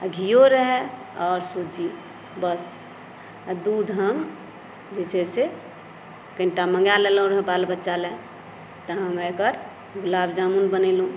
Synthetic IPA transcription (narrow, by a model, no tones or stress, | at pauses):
a̰ɡʱijoɾəɦɛ | ɔːɾsod͡ʒi | bəs | ad̪uːd̪ɦəm | d͡ʒet͡ʃɛse | kə̃ɳʈamə̃ŋɡaleloõɾɦɛbalbətːʃalɛ | t̪əɦəmekəɾ | ɡulabd͡ʒamunbənelũ